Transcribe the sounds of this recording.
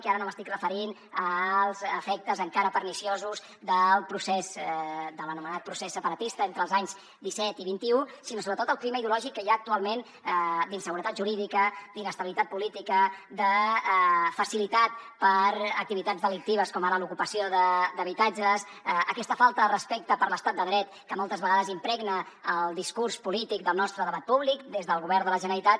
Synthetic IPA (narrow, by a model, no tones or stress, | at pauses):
kiaɾənoməst̪ikrəfəɾin | əlˠzəfɛk̚t̪əzəŋkaɾəpəɾnisiozuz | d̪əlˠpɾusɛzd̪ələnumənat̪̚pɾusesːəpəɾət̪ist̪əent̪ɾəlˠzaɲz | d̪isɛt̪iβint̪iusinosoβɾət̪ot̪əlˠkliməiðiulɔʒikːəjaːk̚t̪ualˠmen | d̪insəɣuɾət̪at̪ʒuɾiðikəd̪inəst̪əβilit̪at̪̚pulit̪ikəd̪ə | fəsilit̪at̪pəɾək̚t̪iβit̪ad͡zzðəlik̚t̪iβ̞əskɔmaɾəlukupəsijoðəd̪əβit̪ad͡ʒəs | əkɛst̪əfalˠt̪əðərəspɛk̚t̪əpəɾləst̪at̪d̪əðɾɛt̪kəmɔlˠt̪əzβəɣaðəzimpɾɛɡnəː | lˠd̪iskurspulit̪ik̚d̪əlˠnɔst̪ɾəðəβat̪̚puβlikd̪ezðəlˠɣuβɛrnd̪ələʒənəɾit̪at̪